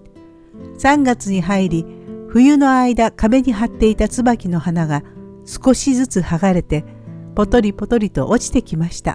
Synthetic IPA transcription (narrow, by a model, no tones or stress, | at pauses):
sãŋɡat͡sɨɲ̟iɦaiɾʲiɸɯ̟jɯ̟no̞aid̪akabe̞ɲ̟iɦat̪ːe̞it̪at͡sɨbakʲino̞hanaɡasɨ̥ko̞ɕizɨt͡sɨhaɡaɾe̞t̪e̞ | po̞t̪o̞ɾʲipo̞t̪o̞ɾʲit̪o̞̰ʔot͡ɕi̥t̪e̞kʲimaɕi̥t̪a̰